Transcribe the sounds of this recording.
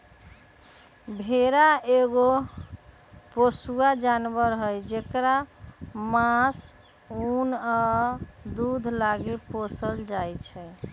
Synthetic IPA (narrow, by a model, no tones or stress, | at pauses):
bʱeɾaeɡo | posuad͡ʒanbəɾɦəjd͡ʒekɾa | mas | una | d̪ud̪ʱlaɡeposəld͡ʒajt͡ʃʰɛ